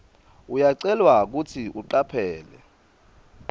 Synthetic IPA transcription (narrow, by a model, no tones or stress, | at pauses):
ujaǀɛlwak̬utʰiʔuǃapʰɛːlɛ